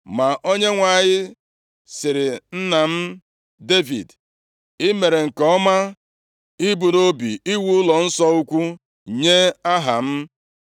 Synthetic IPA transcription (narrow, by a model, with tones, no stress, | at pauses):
ma˨ʔo˦ɲe˦ŋʷa˨ɲɪ˦ | sɪ˨ɾɪ˨n̩˦na˨m̩˦ | de˦vḭ˨d | ɪ˦me˨ɾe˨ŋ̩˨kɔ˦ma˦ | i˦bu˨ɾo˦bḭ˨i˦wu˦ʊ˦lɔ˨n̩˦sɔ˦u˦kʷu˦ | ɲe˦a˦ɦa˨m̩˦